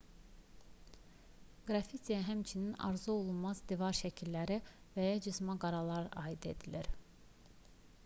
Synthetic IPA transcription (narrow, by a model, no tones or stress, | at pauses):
ɡ̥ɾɑfit̪ijæɦæmt͡ʃʰininɑ̰ɾzuo̞lˠunmɑzd̪ivɑɾʃæcʰilːæɾi | væjɑd͡ʒɯzmɑɡɑɾɑlˠɑɾɑːid̪e̞̰d̪iliɾ